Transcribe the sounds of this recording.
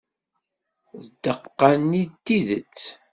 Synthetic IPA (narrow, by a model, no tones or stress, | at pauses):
ðəd̪əqːanːit̪ːiðət͡sː